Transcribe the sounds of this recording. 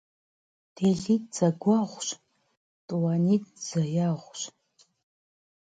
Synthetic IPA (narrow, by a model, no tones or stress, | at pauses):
d̥ʰeɮitʼz̥aɡʷaʁʷɕʷʼ | tʼwanitʼz̥ajaʁʷɕʷʼ